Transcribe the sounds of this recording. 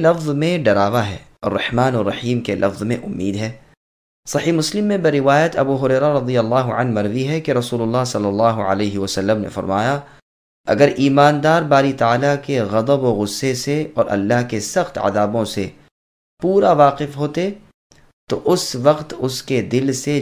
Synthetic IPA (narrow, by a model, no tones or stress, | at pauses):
lɐfzmẽɖɐɾaːʋaɦɛ̰ːɔːrːɐħmaːnərːɐħiːmkelʔɐfzmḛ̃ʔʊ̰mːiːd̪ɦɛː | sɐħiːmʊslɪmːẽbɐɾːɪʋaːjət̪ɐbuːɦʊɾɛːɾaɾɐd̪ijəlːaːɦʊʕɐnmɐɾziɦɛkeɾɐsuːlʊlːaːɦsɐlːəlːaːɦʊʕə̰leːɦiʋɐsɐlːəmnḛfɐ̰ɾmaːja | ɐ̰ɡəɾʔiːmaːnd̪aːɾbaːɾit̪aaːlakeɣɐd̪əboɣʊsːeseɔːɾʔɐ̰lːaɦkesɐxt̪a̰d̪aːbõse | puːɾaʋaːqɪfɦoːt̪e | t̪oʔʊsʋɐqt̪ʊsked̪ɪlse